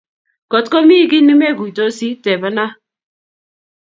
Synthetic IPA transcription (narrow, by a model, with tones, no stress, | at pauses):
kɔ˨tkɔ˦mi˦kɪ˦nɪ˦mɛ˦˨ɡu˨to˦si˦tɛ˨ba˦na˦